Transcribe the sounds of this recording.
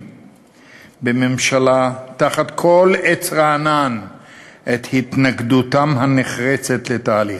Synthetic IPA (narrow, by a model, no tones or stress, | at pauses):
bememʃalat̪aχat̪kʰo̞let͡sʁaːnanʔet̪hit̪naɡd̪ut̪amhaneχʁet͡se̞t̪let̪aːli